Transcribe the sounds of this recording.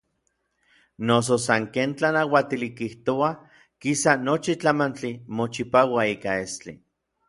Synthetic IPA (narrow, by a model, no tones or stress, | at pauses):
nos̬osaŋkeːnt͡ɬanawat̪ilikiht̪oa | kisanot͡ʃit͡ɬamant͡ɬimot͡ʃipawaiːkaest͡ɬḭ